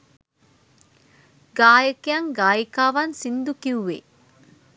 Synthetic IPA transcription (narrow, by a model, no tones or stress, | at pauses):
ɡaːjəkijaŋɡaːjəkaːʋansind̪ukiuʋḛː